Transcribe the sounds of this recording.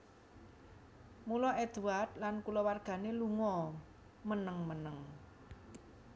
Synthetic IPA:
mulɔʔɛd̪̥uward̪̥lankulɔwarɡ̥a̤neluŋɔ | mənəŋmənəŋ

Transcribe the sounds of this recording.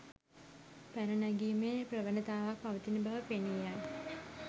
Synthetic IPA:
pæɾənaɡiːmeːprəʋənət̪aːʋak̚paʋət̪inəbaʋəpenijaj

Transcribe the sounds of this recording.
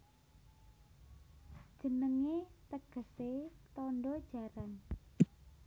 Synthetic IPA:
d̥ʒ̥ə̤nəŋet̪əɡ̥ə̤set̪ɔɳɖɔd̥ʒ̥a̤ɾan

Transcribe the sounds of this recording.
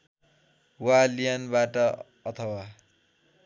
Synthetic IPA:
walijanbaʈʌ | ʌt̪ʰʌwa

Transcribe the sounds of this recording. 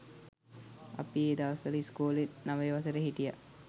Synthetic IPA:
ɐ̰pieːd̪aʋɐsɐliskuːlennaʋejʋɐsəɾəɦiʈija̰

